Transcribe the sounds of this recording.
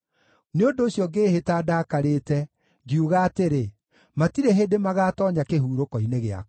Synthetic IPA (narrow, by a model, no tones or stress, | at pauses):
neondoːɕjɔɡeːhetaːdaːkaɾeːtɛ | ɡiuɣaːteɾe | matiɾeɦeːdemaɣaːtɔːɲakeɦuːɾokɔineɣea̰k